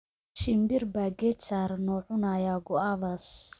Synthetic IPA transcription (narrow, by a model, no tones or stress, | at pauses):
t͡ʃɪmbɪrbaːɡɛt͡saːɾnɔːʕʊnajaːɡɔaβɐs